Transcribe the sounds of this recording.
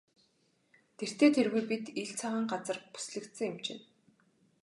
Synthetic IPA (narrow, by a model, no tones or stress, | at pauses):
t̪ʰer̥t̪eːt̪ʰerɣujpit̪iɮt͡sʰaʁə̆ːŋɢat͡sə̆rpu̥sɮɘ̆kt̪sɘ̆ŋɪmt͡ɕɪ̰n